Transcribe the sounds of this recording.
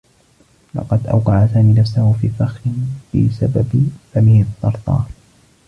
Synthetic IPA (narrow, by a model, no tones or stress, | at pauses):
lɑ̰qɑd̪ʔa̰wqɑʕasaːmiːnafsahʊfiːfaxɪnb̥ɪ̰sababfamɪhɪt̪ːɑɾˤt̪ˤɑ̰ː